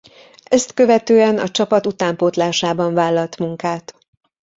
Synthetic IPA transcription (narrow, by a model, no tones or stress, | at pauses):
ɛst̪kø̞vɛt̪øːɛnɒ̰t͡ʃɒpɒt̪ut̪aːmpot̪laːʃaːbɒɱvaːlːɒlt̪muŋkaːt̪